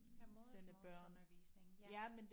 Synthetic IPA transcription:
senəb̥ɶɐ̰n | jæmend̥

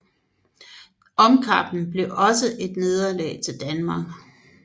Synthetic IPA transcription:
ɒ̽mkʰɑ̈b̥n̩b̥le̝ʔɒ̽səʔe̝d̥ne̝ð̞ˠɐlɛ̰ːɪt͡sʰe̝ld̥ænmɑ̈ːɡ̥

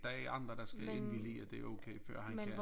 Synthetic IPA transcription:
d̥ɑ̈æɐɑ̈nd̥ʁɐɾ̥ɑ̈sɡ̥æenʋilḭːɒd̥e̝æɐoʊkʰeɪfɶɐ̰ɦhæn

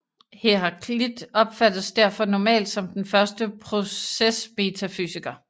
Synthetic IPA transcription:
heɦɑ̈kʰlid̥ɒ̽b̥fæd̥ð̩ˠsd̥æɐ̰fɒ̽nɒmɛ̰ːld̥sɒ̽md̥enfɶɐsd̥əpʰʁo̝sesme̝t͡sʰæfy̰ːsiɡ̥ɐ

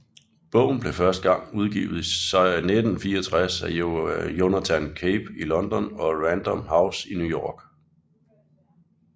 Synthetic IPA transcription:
b̥ɔ̽ʊ̰n̩b̥le̝fɶɐsd̥əɡ̥ɑ̈ŋ̰uð̞ˠɡ̥ḭːʊð̩ˠsɑ̈ɪned̥n̩fiːɐɒt͡sʰʁasæjo̝næt͡sʰænkʰeb̥ilɒ̽nd̥ɒnɒ̽ʁænd̥ɒ̽mhäʊsinujɒːɡ̥

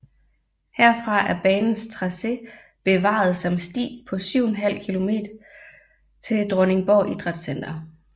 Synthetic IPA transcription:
heɐ̰fʁɑ̈ʔæɐb̥ɛːnn̩st͡sʰʁɑ̈se̝ | b̥e̝ʋɑ̰̈ð̞̩ˠsɒ̽msd̥ḭːpʰɒ̽syʊ̰enɦæl̰kʰilo̝me̝̰ːd̥ɐ | t͡sʰe̝ld̥ʁɔ̽ne̝ŋb̥ɒʔid̥ʁɑ̈d̥sen̰d̥ɐ

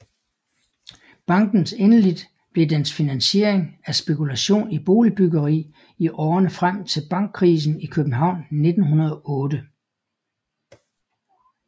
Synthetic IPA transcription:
b̥ɑ̈ŋ̰ɡ̥n̩senəlid̥ | b̥le̝d̥ensfinænɕe̝̰ɐ̰eŋæsb̥e̝kulæɕo̝̰ːnib̥o̝̰ːlib̥yɡɐʁḭː | iʔɒːnəfʁam̰t͡sʰe̝lb̥ɑ̈ŋ̰ɡ̥̚ʰʁiːs̬n̩ikʰøb̥̩ɦɑ̈ʊ̰nne̝d̥n̩ɦunɐð̞ˠɒ̽ɔ̽ːd̥ə

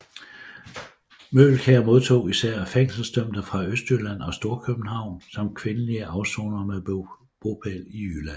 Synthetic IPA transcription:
mølkʰæɐmo̝ð̞ˠt͡sʰo̝̰ːisæɐ̰feŋ̰sl̩sd̥œm̰d̥əfʁɑ̈øsd̥ylæn̰ɒ̽sd̥o̝ːɐkʰøb̥̚n̩hɑ̈ʊ̰nsɒ̽mkʰʋe̝nəliəʔɑ̈ʊsoːnɐme | b̥o̝pʰeliylæ

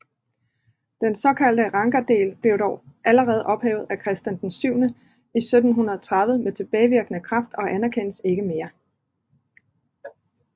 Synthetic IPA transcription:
d̥ensɒ̽kʰæl̰d̥əʁɑ̈ŋɡ̥æd̥e̝̰ːlb̥le̝ʊɾ̥ɒʊʔæləʁɛːð̞̩ˠʔɒ̽b̥hɛ̰ːʊð̞̩ˠækʰʁɛsd̥jænd̥ensyʊnə | isød̥n̩ɦunɐð̞ˠɒt͡sʰʁɑðˠʋð̩əmet͡sʰe̝b̥ɛːɪʋiɐɡ̥ənəkʰʁɑ̈fd̥ɒ̽ʔænæɐkʰen̰əse̝ɡ̥əme̝ːɐ

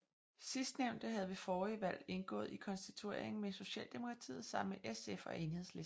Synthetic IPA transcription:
sisd̥neʊnd̥əɦæðˠʋe̝fɒːiʋæl̰e̝nɡ̥ɔ̰̽ːð̞̩ˠikʰɒ̽nsd̥it͡sʰue̝ɐ̰eŋn̩meso̝ɕɛ̰ːld̥e̝mo̝kʰʁɑ̈t͡sʰḭːð̞̩ˠsɑ̈m̰meʔesefɒ̽ʔe̝ːnhe̝ð̞ˠsle̝s

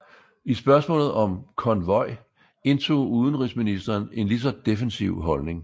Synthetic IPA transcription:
isb̥ɶɐsmɔ̰̽ːlð̩ˠɒ̽mkʰɒ̽nʋɒ̽ɪ̰ | e̝nt͡sʰo̝̰ːuðˠən̩ʁisminisd̥ɐːne̝nlis̬ɒd̥e̝fensiʊɦɒ̽lne̝ŋ

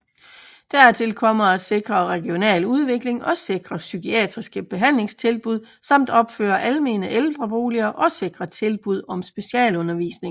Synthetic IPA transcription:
d̥æɐt͡sʰe̝lkʰɒ̽m̰ɐæd̥se̝ɡ̥ʁɐʁɛɡ̥io̝nɛ̰ːluð̞ˠʋe̝ɡ̥le̝ŋɒ̽se̝ɡ̥ʁɐsykʰiɛ̰d̥ʁisɡ̥əb̥e̝ɦæn̰le̝ŋst͡sʰe̝lb̥uð̰ˠsɑ̈m̰d̥ɒ̽b̥fø̰ːɐʔælme̝̰ːnəʔeld̥ʁɐb̥o̝ːliɐʔɒ̽se̝ɡ̥ʁɐt͡sʰe̝lb̥uð̞̰ˠɒ̽msb̥e̝ɕiɛ̰ːlɔ̽nɐʋḭːsne̝ŋ

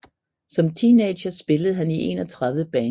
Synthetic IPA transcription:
sɒ̽mt͡sʰiːne̥ɕɐsb̥e̝ləð̞̩ˠɦæniʔe̝̰nɒt͡sʰʁaððəb̥ɛː

